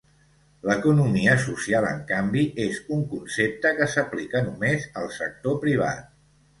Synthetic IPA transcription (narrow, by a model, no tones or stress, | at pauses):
ləkunumiəsusialˠə̰ŋkambiʔezuŋkunsep̚t̪əkəsəplikənumezəlˠsək̚t̪opɾiβ̞a̰t̪̚